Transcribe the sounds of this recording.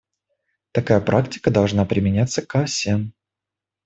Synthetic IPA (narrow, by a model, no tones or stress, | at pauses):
t̪ɐkajəpɾʔaktʲɪ̥kəd̪ɐlˠʐnapɾʲɪmʲɪnʲat̪sːəkasʲɛn